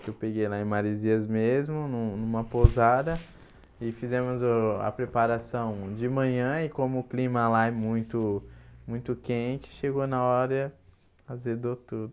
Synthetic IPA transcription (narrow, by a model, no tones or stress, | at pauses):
kɪewpeɡejlaẽj̃maɾiziɐzmezmʊnũnũmɐpozad̪ɐ | ɪfizɛ̃mʊzʊɐ̰pɾepaɾasɐ̃w̃d͡ʒɪmɐ̃ɲɐ̃ɪkõmʊːklĩmɐlaɛmũj̃t̪ʊmũj̃t̪ʊkẽt͡ʃɪ̥ʃeɡonɐɔɾɐ | azed̪ot̪ud̪ʊ